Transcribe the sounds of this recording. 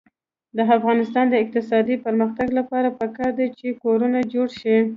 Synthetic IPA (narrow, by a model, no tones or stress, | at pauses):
d̪əafɣɑnɪst̪ɑnd̪əɪq̚t̪ɪsɑd̪ipəɾməxt̪aɡlapɑɾapəkɑɾd̪at͡ʃekoɾunad͡ʒoɽʃi